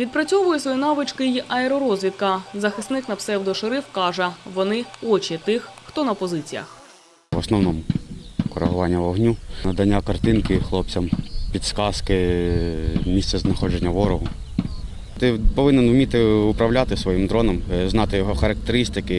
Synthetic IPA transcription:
ʋʲid̪̚pɾɐt͡sʲɔʋʊjɛsʋɔjinɑʋɪt͡ʃkɪjiʔɐɛɾɔɾɔzʲʋʲit̪̚kɐzɐxɪst̪nɪknɐpsɛwd̪ɔʃɪɾɪwkɑʒɛʋɔnɪɔt͡ʃʲit̪ɪxxt̪ɔnɐpɔzɪt͡sʲijɐ̰x | ʋɔsnɔwnɔmʊkɔɾɐ̰ɦʊʋɑnʲːɐʋɔɦnʲunɐd̪ɐnʲːakɐrt̪ɪnkɪxlˠɔp̚t͡sʲɐmpʲid̪skɑskɪ | mʲist̪sɛznɐxɔd͡ʒenʲːɐʋɔɾɔɦʊ | t̪ɪpɔʋɪnɛnwmʲit̪ɪʊpɾɐwlʲat̪ɪsʋɔjimd̪ɾɔnɔmznɑt̪ɪjɔɦɔxɐɾɐk̚t̪eɾɪst̪ɪkɪ

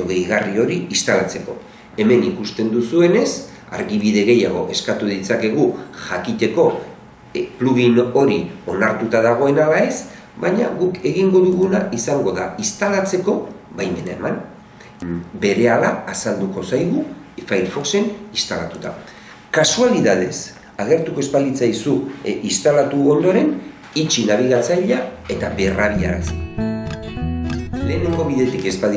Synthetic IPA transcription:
oɣejɣario̞ɾiist̪alat͡se̞ko̞̰ | e̞me̞nikust̪e̞nd̪usue̞ne̞s | a̰ɾɣiβ̞iðe̞ɣe̞jaɣ̞o̞̰ʔe̞skat̪uðit͡sake̞ɣuʝakit̪e̞ko̞ | pluɣino̞ɾio̞naɾt̪ut̪aðaɣ̞o̞e̞nalae̞s | bajɲa̰ɣuke̞ɣiŋɡo̞ðuɣunaʔisaŋɡo̞ðaist̪alat͡se̞ko̞βajme̞nae̞̰man | be̞ɾe̞alaːsald̪uko̞sajɣu | fajɾfo̞kse̞nist̪ala̰t̪ut̪a̰ | kasualiðað̞e̞s | aɣ̞e̞ɾt̪uko̞espalit͡sajsuist̪alat̪uo̞nd̪o̞ɾe̞n | it͡ʃinaβiɣat͡sajʎae̞t̪aβe̞raβia̰ɾasi | le̞ːneŋɡo̞βiðe̞t̪ike̞spað

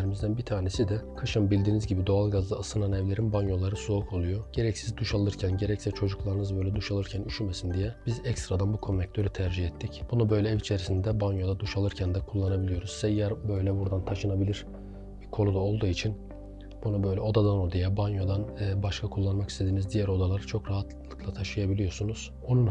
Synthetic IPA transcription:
eɾimizd̪ænbit̪ʰaːnesid̪ɛkʰaʃɯmbilʲd̪iːnizɟibid̪o̞alˠɡazlˠɯɯsɯnanɛvlʲe̞ɾinbanjo̞lˠaɾɯsuokʰo̞lˠujo̞ɟ̥e̞ɾɛcsizd̪uʃalˠɯɾcʰænɟe̞ɾɛcsɛt͡ʃʰo̞d͡ʒuklˠaɾɯnɯzbø̞jlʲɛd̪uʃalˠɯɾcʰænyʃymesind̪ijɛb̥izɛcst̪ɾad̪anbukʰomɛc̚t̪ʰøɾyt̪ʰæɾd͡ʒihɛt̪ʰːicb̥unubø̞jlʲɛɛvit͡ʃʰe̞ɾisind̪ɛbanjo̞d̪ad̪uʃalˠɯɾcʰænd̪ɛkʰulˠːanabilʲijo̞ɾuzsɛjæɾbøjlʲɛbuɾd̪ant̪ʰaʃɯnabilʲiɾ̥ | bikʰo̞lud̪ao̞lˠd̪uːit͡ʃʰin | b̥unubø̞jlʲɛo̞d̪ad̪ano̞ɾd̪ajabanjo̞d̪anɛbaʃkʰakʰulˠːanmakʰist̪ʰe̞d̪iːnizd̪ijæɾo̞d̪alˠaɾt͡ʃʰo̞kɾaɦat̪ʰllˠɯ̥klˠat̪ʰaʃɯjabilʲijo̞sunuz̥ | o̞nun

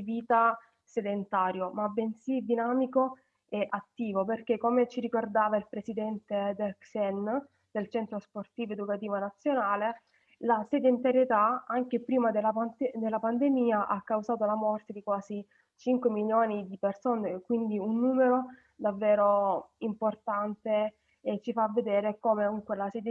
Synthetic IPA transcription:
d̪iviːt̪a | sed̪ent̪aːɾjomabensid̪inaːmiko | ɛʔat̪ːiːvoperk̟ekːomet͡ʃiɾikord̪aːvailpɾesid̪ɛnt̪ed̪ɛksɛn | d̪̥elt͡ʃɛnt̪ɾosport̪iːvoed̪ukat̪iːvonat̪sːjonaːle | lased̪ent̪aɾjet̪aaŋk̟epɾiːmad̪elːapad̪elːapand̪emiːaʔakːawzaːt̪̬olamɔrt̪ed̪ikwaːzi | t͡ʃiŋkwemiljoːnid̪ipersoːnekwind̪iunːuːmeɾo | d̪avːɛːɾoimport̪ant̪e | ɛt͡ʃifavːed̪eːɾekoːmeuŋkwelasɛd̪

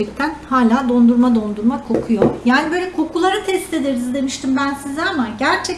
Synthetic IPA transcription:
ɛc̚t̪ʰænhaːlʲaːd̪o̞nd̪uɾmad̪o̞nd̪uɾmakʰo̞kʰujojaːnibø̞ːlʲɛkʰo̞kʰulˠaɾɯt̪ʰɛst̪e̞d̪eɾizd̪e̞miʃt̪ʰimbænsizaamaɟæɾt͡ʃʰɛ

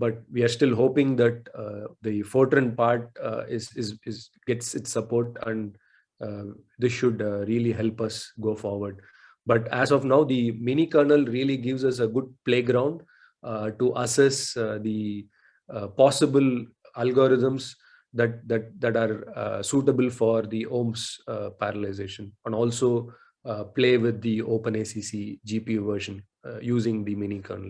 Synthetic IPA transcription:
bʌʈ̚ʋiːaɾsʈɪlɦoːpɪ̃ŋd̪æʈ̚d̪ifɔːʈɾə̃npaːɾʈɪzɪzɪz | ɡɛʈsɪʈsːɐpoːɾʈɛ̰̃ɳɖ | d̪ɪsʃʊɖɾiəliɦɛlpʌsɡoːfɔːɾʋəɾɖ | bʌʈæzɔfnaʊd̪imĩːnikəɾnəlɾiəliɡɪʋzɐs̬əɡʊɖ̚pleːɡɾãʊ̃ɳɖ | ʈuʔɐsɛsd̪i | pɔːsɪbəl | ælɡoɾɪzə̃ms | d̪æʈ̚d̪æʈ̚d̪æʈaːɾsuːʈəbəlfɔːɾd̪iʔõːmspæɾəlaɪzeːʃə̃nɛ̃ɳɖɔːlsoː | pleːʋɪd̪ːioːpə̃neːsiːsid͡ʒiːpiuʋəɾʃə̃n | juːzɪ̃ŋd̪imĩnikʰə̰ːɾnəl

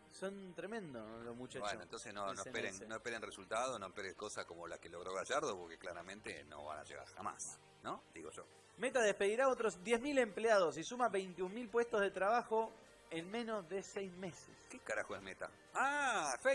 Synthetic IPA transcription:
sont̪ɾemẽ̞nd̪olomut͡ʃabwenoẽnt̪onsesnonoepeɾeŋnoespeɾenresult̪aðonoepeɾeŋkosasko̞mola̰keloɣɾoɣaʒaɾðopoɾkeklaɾamẽnt̪ḛno̰βa̰na̰ʒeɣa̰ɾxama̰s | nod̪iɣo̞ʒo̰ | me̞t̪aðehspe̞ðiɾaot̪ɾo̞zðjezmile̞mpleaðo̞s̬isumaβejnt̪iummilpwe̞st̪ozðet̪ɾaβaxo̞ | enmẽ̞no̞zðe̞sɛjzme̞seskekaɾaxoesmet̪a̰ | aefe

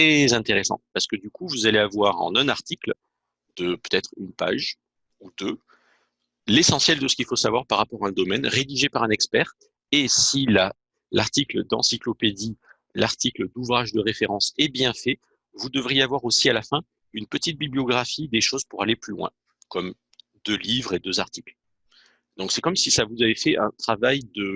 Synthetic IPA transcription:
χɛzɛ̃t̪eʁesɑ̰̃paʁsə̥kəd̪ykuvuzaleavwaʁɑ̰̃nɛ̃naʁt̪ikl | d̪əpø̥t̪ɛt̪χynpa̰ʒ | ud̪ø | lesɑ̃sjɛld̪əsə̥kʲilfosavwaʁpaʁːapɔʁaɛ̃d̪ɔmɛnʁed̪iʒepaʁɛ̃nɛkspɛʁ | esila | laʁt̪ikld̪ɑ̰̃siklɔped̪i | laʁt̪ikləd̪uvʁaʒd̪əʁefeʁɑ̃sɛbjɛ̃fɛ | vud̪əvʁijeavwaʁosialafɛ̃ | ynpət̪it̪̚biblijɔɡʁafid̪eʃozpuʁaleplylwɛ̰̃ | kɔm | d̪ølivʁed̪øzaʁt̪ikl | d̪̥ɔ̃ksɛkɔmsisavuzavefɛʔɛ̰̃t̪χavajd̪ə

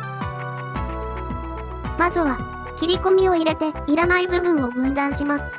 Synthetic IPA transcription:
mazɨβa | kʲiɾʲiko̞mʲio̞iɾe̞t̪e̞iɾanaibɯ̟bɯ̟̃ɰ̃o̞ɡɯ̟̃nd̪ãɰ̃ɕimasɨ̥

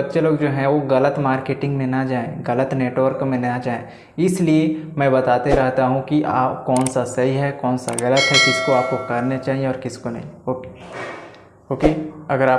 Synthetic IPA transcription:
bɐt̪ːʃʰeloːɡd͡ʒoːɦɛ̃ʋoɣɐlət̪maːɾkeːʈɪ̃ŋɡmẽnɐd͡ʒaːẽɣɐlət̪neːʈʋəɾkmẽnat͡ʃd͡ʒaːẽ | ɪsliemɛ̃ːbɐt̪aːt̪eɾɐɦt̪aɦũkiʔaːpkɔːnsasɐɦiɦɛkɔːnsa̰ɣɐlət̪ɦɛkɪskoaːp̚kokɐɾnet͡ʃaːɦieɔːɾkɪskonɐ̰ɦĩoː | ɦoːkeːɐɡəɾaː

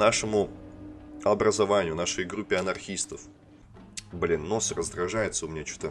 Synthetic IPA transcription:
naʂɨmʊ | ɐbɾəzɐvanʲɪjʊnaʂəjɡɾupʲːɪɐnɐrxʲist̪əf | blʲinːosrəzd̪ɾɐʐajɪt̪səʊmʲɪnʲat͡ɕu̥t̪ə

